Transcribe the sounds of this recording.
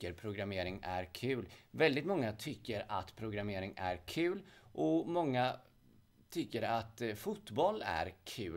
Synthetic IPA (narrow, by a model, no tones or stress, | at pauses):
əɾpʰɾʊɡɾameːɾɪŋæɾkʰʉ̟ːlvɛld̪ɪt̪mɔŋːat̪ʰʏkːəɾa̰t̪pʰɾʊɡɾameːɾɪŋæ̰ɾkʰʉ̟ːlʔɔmɔŋːa | t̪ʰʏkːəɾat̪fut̪bɔlæ̰ɾkʰʉ̟ː